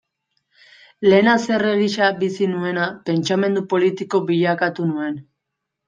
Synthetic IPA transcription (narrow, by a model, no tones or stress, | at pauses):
le̞nase̞re̞ɣiʃabisinue̞nape̞nt͡ʃame̞nd̪upo̞lit̪iko̞biʎakat̪unue̞n